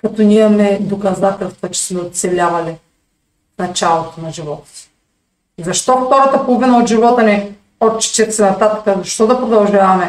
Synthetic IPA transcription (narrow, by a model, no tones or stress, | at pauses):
kɐt̪ɔnimɐmɛd̪okɐzat̪ɛlˠst̪vɐt͡ʃɛ̥smɛot̪sɛlʲavɐlɛ | fnɐt͡ʃalˠot̪onɐʒivɔt̪ɐ̥si̥ | zɐʃt̪ɔft̪ɔɾɐt̪ɐpolˠovinɐod̪ʒivɔt̪ɐnɛ | ɔt͡ʃɛ̥t͡ʃɛt̪sɛnɐt̪at̪ɐkəzɐʃt̪ɔd̪ɐpɾod̪ɐlˠʒavɐmɛ